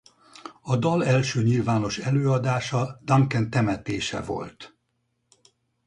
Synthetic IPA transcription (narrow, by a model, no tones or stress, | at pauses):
ɒd̪ɒlɛlʃøːɲilvaːno̞ʃɛløːɒd̪aːʃɒd̪ɒŋkɛnt̪ɛmɛt̪eːʃɛ̰vo̞̰lt̪